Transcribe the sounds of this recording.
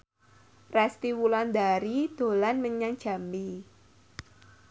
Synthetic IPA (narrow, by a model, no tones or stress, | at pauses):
rɛst̪iwuland̪aɾid̪̥o̤lanməɲaŋ̥ʒ̥a̤mbi